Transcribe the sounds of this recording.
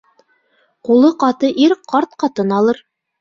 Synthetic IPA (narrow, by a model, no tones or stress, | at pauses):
qulˠɤqɑt̪ɤʔiɾqʰɑɾt̪̚qɑt̪ɤnɑlˠɤɾ